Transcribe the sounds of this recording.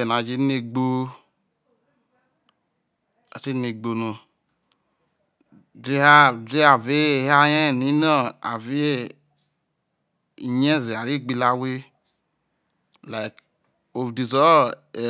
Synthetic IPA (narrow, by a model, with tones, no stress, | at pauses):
e˨n˨a˨d͡ʒe˧˦ne˧ɡ͡bo˧ | a̰˨ti˦ne˧ɡ͡bo˧no˨ | de˦ha˦de˦a˨ve˦˨ha˦jɛ˦˨ni˦nɔ˦a̰˨ve˦e˦ | i˨ɲɛ˦˨zi˨a˨ɾi˦ɡ͡bi˧la˧we˦ | la˨i˨k | o˨fdi˨zɔ˦˨